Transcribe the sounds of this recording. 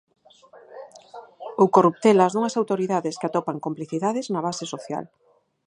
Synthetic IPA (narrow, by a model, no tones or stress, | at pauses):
ʊkorup̚t̪elɐzðuŋɐsawt̪oɾiðaðeskat̪ɔpaŋkompliθiðaðɪznɐβ̞asɪsoθja̰l